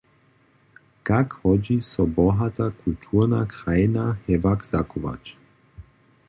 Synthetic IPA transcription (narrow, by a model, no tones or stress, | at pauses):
kakhɔd͡ʒisɔbɔɦat̪akult̪ʰuɾnakɾajnahɛvakz̥akuʋa̰t͡ʃ